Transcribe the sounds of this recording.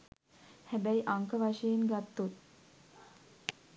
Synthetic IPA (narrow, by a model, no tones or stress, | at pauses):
hæbæiʔaŋkəʋaʃəjenɡat̪ːut̪̚